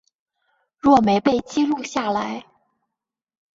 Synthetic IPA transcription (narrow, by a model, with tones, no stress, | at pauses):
ɻwɔ˥˩me˧˥ɪpe˥˩ɪt͡ɕi˥ɻu˥˧ɕja˥˩la˧˥ɪ